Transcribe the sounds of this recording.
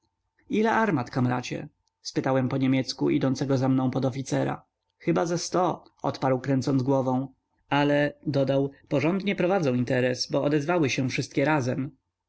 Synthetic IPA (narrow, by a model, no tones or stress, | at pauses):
ilɛʔaɾmat̪kamɾat͡ɕɛ̰ | spɘt̪awɛmpɔɲemʲjɛt̪skuʔḭd̪ɔnt̪sɛɡɔzamnɔ̃w̃pɔd̪ɔfʲit̪sɛɾa̰ | xɘbazɛst̪ɔɔ̰t̪paɾwkɾɛnt̪sɔnd̪ɡwɔvɔ̃w̃ | alɛd̪ɔd̪awpɔʐɔnd̪ɲɛpɾɔvad̪zɔ̃w̃int̪ɛɾɛsbɔɔd̪ɛzvawɘɕɛfʂɘst̪kʲɛɾazɛm